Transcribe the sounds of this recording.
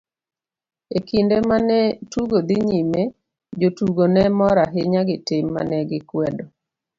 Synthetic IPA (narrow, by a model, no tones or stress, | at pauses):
ekindemanɛtuɡod̪ɪɲime | d͡ʒotuɡonɛmɔɾaɦɪɲaɡɪtɪmːa̰nɛɡɪkwɛdɔ